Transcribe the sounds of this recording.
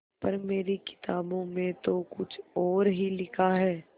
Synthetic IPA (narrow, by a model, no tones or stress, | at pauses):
pɐɾmeːɾikɪ̥t̪aːbõmẽt̪okʊt͡ʃʰɔːɾɦilɪkʰaɦɛː